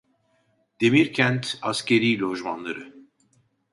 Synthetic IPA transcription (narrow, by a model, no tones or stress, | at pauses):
d̪̥emiɾcʰænt̪ascʲeɾiːlʲoʒma̰nlˠaɾɯ